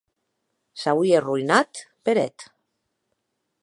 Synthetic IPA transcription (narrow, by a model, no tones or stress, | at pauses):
sawierujnat̪peɾḛt̪